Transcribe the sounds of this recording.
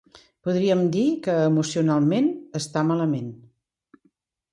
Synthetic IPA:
puðɾiəmd̪ikəːmusiunalˠmenəst̪amaləmen

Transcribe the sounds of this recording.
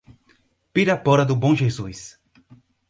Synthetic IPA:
piɾɐpɔɾɐd̪ʊbõʒezujs

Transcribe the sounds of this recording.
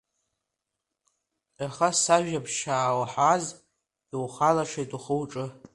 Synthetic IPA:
aχasaʒᶣapʰʃaːwaħaz | iwχalaʂʰejtʼuχəwʈ͡ʂʼɨ

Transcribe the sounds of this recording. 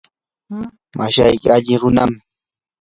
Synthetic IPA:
maʃajkɪaʎɪɾʊnam

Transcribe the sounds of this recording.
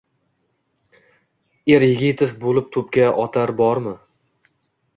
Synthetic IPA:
eɾjɪɡʲɪt̪ʰefbolɪp̚t̪ʰɵpkʲaʔɒt̪ʰaɾbɒɾmɪ

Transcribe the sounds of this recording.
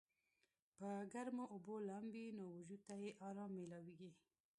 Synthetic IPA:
pəɡaɾmoʔʊbolambinowʊʒut̪ajeʔɑɾɑmːelawiɡi

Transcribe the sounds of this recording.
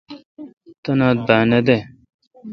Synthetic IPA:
t̪ɐnad̪̚baːnɐd̪e

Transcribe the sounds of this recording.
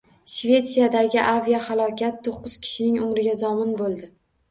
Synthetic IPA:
ʃve̞t̪sijad̪aɡʲɪʔavijahalˠɒkʲʰat̪ʰːoqːʊz̥kʲʰɪ̥ʃɪnɪŋʊmɾɪɡʲazɒmɪnbolˠd̪ɪ

